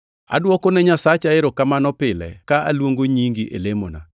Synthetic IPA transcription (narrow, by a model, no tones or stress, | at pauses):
a̰dwɔkɔnɛɲasat͡ʃaɪɾɔkamanɔpɪlɛ̰kaʔa̰lwoŋɡoɲiŋɡiʔḛlemo̰na̰